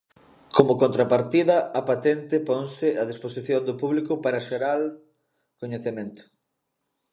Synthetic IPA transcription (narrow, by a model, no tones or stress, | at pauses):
komʊkont̪ɾapaɾt̪iðɐːpat̪ɛnt̪ɪpoŋsɪaðisposiθjond̪ʊpuβlikʊpaɾɐʃeɾal | koɲeθemẽnt̪ʊ̥